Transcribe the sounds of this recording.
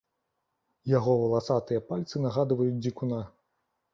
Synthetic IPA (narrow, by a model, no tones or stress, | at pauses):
jaɣɔvɐlˠasat̪ɨjɐpalʲt̪sɨnaɣad̪vɐjut͡sʲdʲikuna